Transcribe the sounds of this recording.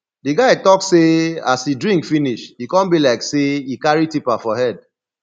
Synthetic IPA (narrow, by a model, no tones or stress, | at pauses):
diɡaɪtɔksseasidɹĩŋkfiniʃikɔ̃nbilaɪkseikaɹitipafɔhɛd